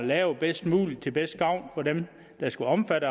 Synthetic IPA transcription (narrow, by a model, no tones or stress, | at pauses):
lɛːʊb̥esd̥mṵːli̥t͡sʰe̝lb̥esd̥̚ɡ̥ɑ̈ʊ̰nfɒ̽d̥em | d̥ɑ̈sɡ̥uɒ̽mfæɾə